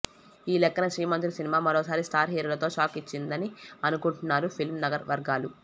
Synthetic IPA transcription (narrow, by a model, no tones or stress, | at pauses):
iːlɛkːɐnɐʃɾiːjmɐnt̪ɾisinimaːmɐɾoːsaːɾisʈʰaːɾɦiːɾulɐt̪o̞ːʃaːkit͡ʃːind̪ɐniɐnukuɳʈunːaːɾupʰilmnɐɡɐɾʋɐɾɡaːlu